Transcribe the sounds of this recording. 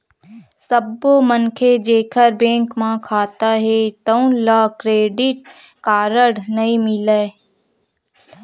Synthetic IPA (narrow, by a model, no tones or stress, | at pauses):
səbomənkʰed͡ʒeːkʰəɾbẽːŋkmãkʰaːt̪aɦɛt̪əũlaːkɾeːɖɪʈ̚ | kaːɾəɽnɐĩmɪleː